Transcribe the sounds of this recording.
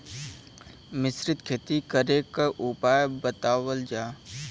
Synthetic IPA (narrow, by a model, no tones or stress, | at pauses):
mɪsɾɪt̪kʰeːt̪ikəɾekəʔupaːjbət̪aːwəld͡ʒaː